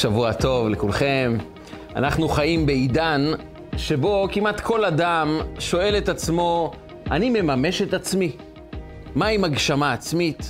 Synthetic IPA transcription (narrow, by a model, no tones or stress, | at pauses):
ʃavuato̞vlekulχe̞m | a̰naχnuχajimbe̞idan | ʃe̞bo̞kimat̪kʰo̞ladamʃo̞e̞le̞tat͡smo̞ | ʔanime̞mame̞ʃetat͡smi | maimaɡʃamaːt͡smit̪